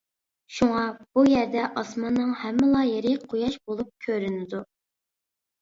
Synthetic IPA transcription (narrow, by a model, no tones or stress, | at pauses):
ʃuŋɑb̥ujɛɾd̪ɛʔɑsmɑnːɨŋhɛmːɪlˠɑjeɾɪqʰojɑʃbolˠup̚kʲʰøɾynɪd̪u